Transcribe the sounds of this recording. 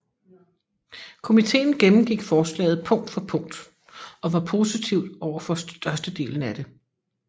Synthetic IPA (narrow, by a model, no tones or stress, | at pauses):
kʰo̝mit͡sʰe̝̰ːn̩ɡ̥emm̩ɡ̥iɡ̥fɒːslɛ̰ːɪð̩ˠpʰɔ̽ŋ̰d̥fɒ̽pʰɔ̽ŋ̰d̥ | ɒ̽ʋɑ̈pʰo̝sit͡sʰiʊd̥ɒʊ̰ɐfɒ̽sd̥ɶɐsd̥əd̥e̝̰ːln̩æd̥e̝